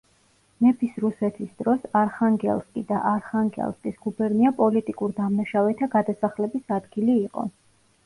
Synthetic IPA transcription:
mɛpʰisɾusɛt̪ʰisd̪ɾɔsaɾχaŋɡɛ̰lˠskʼid̪aʔaɾχaŋɡɛ̰lˠskʼisɡ̥ubɛɾniapʼɔlit̪ʼikʼuɾd̪amnaʃavɛt̪ʰaɡad̪asaχlɛbisad̪ɡiliːqʼɔ̰

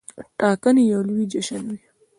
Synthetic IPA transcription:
ʈɑːkənijawlwid͡ʒɐʃɐnwi

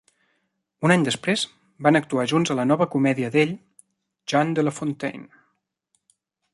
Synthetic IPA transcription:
unaɲd̪əspɾez | banək̚t̪uaʒunzələnɔβəkumɛðiəðeʎ | ʒand̪ələfont̪ḛjn

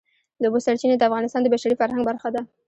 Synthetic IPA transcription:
d̪obosaɾt͡ʃined̪əafɣɑnɪst̪ɑnd̪əbaʃaɾifaɾhaŋɡbaɾxad̪a

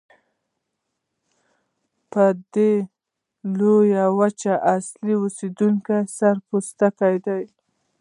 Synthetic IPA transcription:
pəd̪e | lojawat͡ʃaʔasliusid̪uŋkajsaɾpust̪akajd̪aj

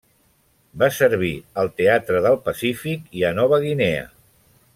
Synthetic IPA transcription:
basəɾβ̞iəlˠt̪eat̪ɾəðəlˠpəsifikiənɔβəɣineə̰

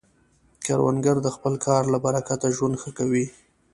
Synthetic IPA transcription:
kɑ̰ɾwa̰nɡaɾd̪əxpəlkʰɑɾlabaɾakat̪aʒwand̪xəkawi

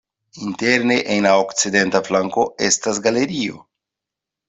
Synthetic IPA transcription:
inte̞ɾne̞ʔenlaokt͡side̞ntaflaŋko̞e̞̰stasɡale̞ɾio̞̰

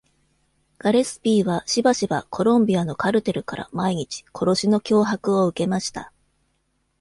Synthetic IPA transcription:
ɡ̥aɾe̞sɨ̥pʲiːβaɕibaɕiba̰kʰo̞ɾõ̞mbʲiano̞kaɾɯ̟t̪e̞ɾɯ̟kaɾa̰maiɲ̟it͡ɕi̥kʰo̞ɾo̞ɕino̞kʲo̞ːɦakɯ̟o̞ɯ̟ke̞maɕi̥t̪a̰

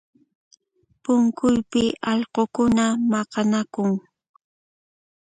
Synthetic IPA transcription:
pʊŋkʊjpɪɑʎqokʊnamɑqɑnakʊŋ

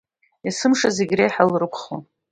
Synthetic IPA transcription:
jasɨmʂazeɡʲrejħalrɨkʷʰχo

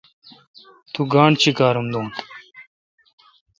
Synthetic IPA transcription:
t̪uɡaːɳt͡ɕʰikaːɾumd̪uːm

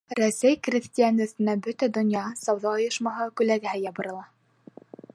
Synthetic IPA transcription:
ɾæsæjkrʲɪsʲt̪ʲijanɵ̆sɘ̆næbɵt̪æd̪ŏnjɑsɑwðɑŏjɤ̆ʃmɑɦɤkʉlæɡɘɦæjɑbɤ̆ɾɤ̆lˠɑ

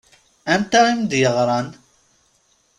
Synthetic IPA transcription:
ænt̪æimd̪jəʁɾˤɑn

